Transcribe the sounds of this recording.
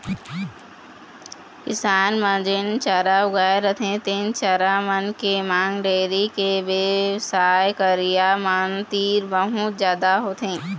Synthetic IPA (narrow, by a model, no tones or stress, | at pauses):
kɪsaːnmə̃d͡ʒɪnt͡ʃaːɾaʊɡaːeɾət̪ʰẽt̪ẽnt͡ʃaːɾamənkemãːŋɡɖeːɾikeʋesaːjkəɾijamant̪iːɾbəɦut̪zjaːd̪aɦoːt̪ʰɦẽː